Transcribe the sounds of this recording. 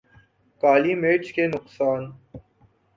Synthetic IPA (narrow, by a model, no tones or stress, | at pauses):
kaːlimeːt͡ʃkenʊqsaːn